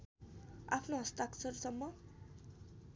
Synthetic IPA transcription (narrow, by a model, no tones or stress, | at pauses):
apʰnoɦʌst̪aksʌɾsʌmːʌ